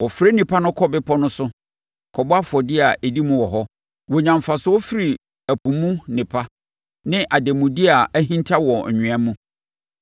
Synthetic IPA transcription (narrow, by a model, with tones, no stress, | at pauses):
wɔ˨fɾe˦nĩ˨pʰa˦nʊ̃˦kʰɔ˦bɪ˦pʰɔ˦nʊ̃˦sʊ˦ | kʰɔ˨bʊ˦a˦fʊ˨ɔ˨dɪ˦a˨ʔe˨di˦mũ˦wɔ˨ɦɔ˦ | wɔ˨ɲã˨mfa˨sʊ˦wo˦fi˦ɾi˨ | æ˨pʰũ˨mũ˦nɪ̃˨pʰa˦ | nɪ̃˦ʔa˨de˨mũ˨dɪ˦a˨æ˦ɦĩ˦ntʰa˦wɔ̃˨ɲᶣũ˨ã˦mũ˦